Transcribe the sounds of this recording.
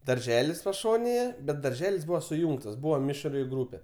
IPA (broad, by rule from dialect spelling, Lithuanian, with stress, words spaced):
dɐrʲˈʒʲæːlʲɪs pɐˈʃoːnʲeːjɛ bʲɛt dɐrʲˈʒʲæːlʲɪs ˈbuːʋɐ sʊˈjuːŋktɐs ˈbuːʋɐ ˈmʲɪʃʲrʲɪ ˈɡruːpʲɛ